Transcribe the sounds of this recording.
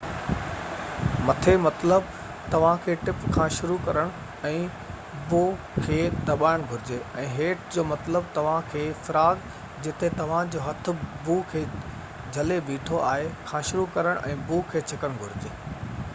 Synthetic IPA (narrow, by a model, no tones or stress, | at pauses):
mɐt̪ʰemɐt̪ləb | t̪ɐʋ̤ãkʰeːʈɪpkʰãːʃʊɾukɐɾəɽ̃ | ɛ̃ː | boː | kʰeːd̪ɐɓaːɪɽ̃ɡʱʊɾɪd͡ʑeɛ̃ːɦeːʈd͡ʑoːmɐt̪ləbt̪ɐʋ̤ãkʰeːfɐɾaːɡ | d͡ʑɪt̪et̪ɐʋ̤ãd͡ʑoːɦɐt̪ʰʊ̆buːkʰeː | d͡ʑʱɐlebiːʈʰoaːɦekʰãːʃʊɾukɐɾəɽ̃ʔɛ̰̃ːbuːkʰeːt͡ɕʰɪkəɽ̃ɡʱʊɾɪd͡ʑeː